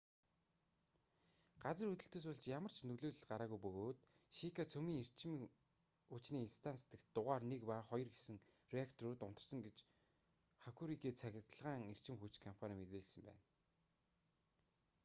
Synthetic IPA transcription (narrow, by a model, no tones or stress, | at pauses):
ɢ̥at͡sə̆rɵt̪ɵ̆ɬt̪ɵːs̬ʊɮt͡ɕjamər̥t͡ɕʰnɵɣɮoːɮɘ̆ɮɢaɾaːɣujpɵɣoːt̪ | ʃikʰat͡sʰɵmiːŋer̥t͡ɕɪ̆m | ut͡ɕniːinst̪ʰanst̪ɘ̆kt̪ːʊʁaːrnekpaχɔjɞ̆rɡesɘ̆ŋrʲiakt̪ʰɔɾuːt̪ʊn̥t̪ɞ̆rsɞ̆ŋɡet͡ɕ | χakʰuɾikʰiːt͡sʰæɣʲɪ̆t̪ə̆ɮʁaːŋer̥t͡ɕɪ̆mxut͡ɕkʰɔm̥pʰanʲiːmet̪eːɮsɘ̆mpæ̰ːn